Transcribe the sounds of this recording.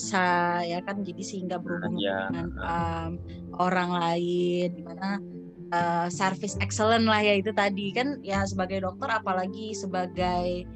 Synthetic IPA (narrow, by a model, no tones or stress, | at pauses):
sajakand͡ʒadisəhiŋɡabəɾubʊŋəŋanəm | oɾaŋlaɪndimana | əsərfɪsɛksələnlahjait̪ut̪adikanjas̬əbaɡajdɔk̚t̪ɔɾapalaɡisəbaɡaj